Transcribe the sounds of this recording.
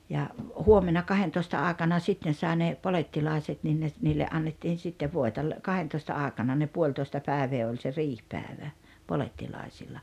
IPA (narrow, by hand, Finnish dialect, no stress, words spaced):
jɑ huomenɑ kɑhentoistɑ ɑˑekɑnɑ sitːen sɑˑi ne poletːilɑˑeset nin ne t niːlːe ɑnːetːiːn̞ sitːeʋ ʋoetɑ l kɑhentoistɑ ɑˑekɑnɑ ne puolʲtoestɑ pæˑeʋeː olʲ se riːhpæːĕʋæ poletːilɑˑisilːɑ